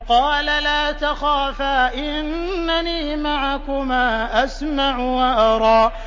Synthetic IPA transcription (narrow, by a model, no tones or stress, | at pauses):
qɑːlalaːt̪axaːfaːʔɪnːaniːmaʕakʊmaːʔasmaʕʊwaʔɑɾˤɑːʔ